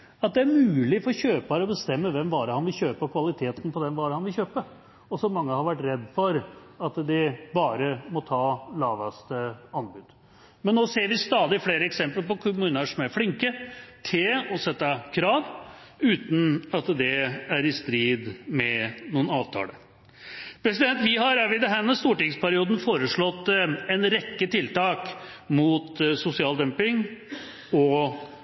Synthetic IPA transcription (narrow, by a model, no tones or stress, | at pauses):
ɑt̪̚d̪ɛæɾmʉːlɪfɔɾɕøːpɑɾəɔbəst̪ɛmːəʋɛmʋɑːɾəhɑnʋɪlçøːpəkʰʋɑlɪt̪ʰeːt̪n̩pʰɔd̪ɛnʋɑːɾəhɑnʋɪlçøːpə | ɔsɔmɑŋːəhɑɾʋæʈːɾɛd̪ːfɔɾ | ɑt̪d̪ɪbɑːɾəmɔt̪ʰɑːlɑːʋɑst̪əɑnbʉd̪̥ | mɛnnoːseːɾʋɪst̪ɑːd̪ɪfleːɾəɛksɛmplpɔkʰʉmʉːnəʂɔmæɾflɪŋkət̪ʰɪlɔsɛt̪ːɑkʰɾɑːʋʉːt̪n̩ɑt̪d̪ɛæɾɪst̪ɾiːd̪mɛnuːənɑːʋt̪ʰɑ̰ːlə̰ | pʰɾɛsɪd̪ɛnt̪ʋɪɦɑɾʋɪd̪ɛɦæːmɛst̪uːʈɪŋspʰæɾɪuːd̪n̩foːɾəʂɭɔt̪ːɛnɾɛkːət̪ʰɪlt̪ɑːk | mut̪sʊsɪɑːld̪ɛmpɪŋ | ɔ